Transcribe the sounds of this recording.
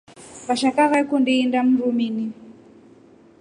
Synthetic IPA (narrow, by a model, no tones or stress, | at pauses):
βaʃakaɣakundiːndam̩ɾumini